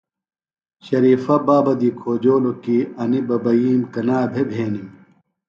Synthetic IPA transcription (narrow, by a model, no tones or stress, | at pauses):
ɕɐɾiːfɐbaːbɐd̪ikʰoːd͡ʑoːlokiːɐnibɐbɐiːmkɐnaːbʱebʱeːnim